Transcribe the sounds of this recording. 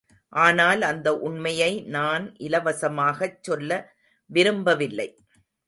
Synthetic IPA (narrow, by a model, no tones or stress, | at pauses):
ʔaːnaːlɐnd̪ɐʔʊɳmɐjɐɪnaːnʔɪlɐʋɐsɐmaːɣɐt͡ʃːɔlːɐ | ʋɪɾɯmbɐʋɪlːɐɪ